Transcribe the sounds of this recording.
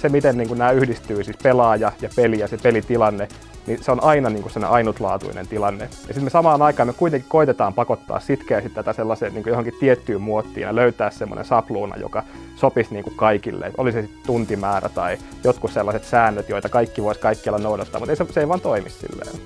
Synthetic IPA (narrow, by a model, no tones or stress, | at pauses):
semit̪enniːŋkunnæːyhdist̪yːsispelɑːjɑjɑpelijɑsepelit̪ilɑnːe | niseonʔɑinɑniːŋkusemonḛʔɑinut̪lɑ̰ːt̪ṵinḛnt̪ilɑnːejɑsit̪mesɑmɑːnɑikɑːmøkuit̪eŋki̥koit̪et̪ɑːmpɑkot̪ːɑ̰ːssit̪kæːsit̪t̪æt̪æselːɑseːnniːŋkujohoŋkit̪t̪iet̪ːyːmmuot̪ːḭːnɑløyt̪æːssemːo̰nʔḛnsɑpluːnɑ̰jo̰kɑ | sopisniːŋkukkɑikilːḛʔo̰lisesit̪t̪unt̪imæːræ̰t̪ɑi | jot̪kusselːɑset̪sæːnːøt̪joit̪ɑkɑikːiʋoiskɑikːiɑlːɑnoudɑt̪ːɑ̰ːmut̪eiseseiʋɑːnt̪oimissḭlːḛː